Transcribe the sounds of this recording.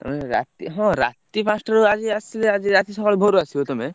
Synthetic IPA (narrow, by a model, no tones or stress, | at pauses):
t̪o̰meɾa̰t̪iɦɔ̃ɾa̰t̪ipãsʈaɾuad͡ʒiasilead͡ʒiɾat̪iʃɔkɔlbʱoɾuasʰiot̪ome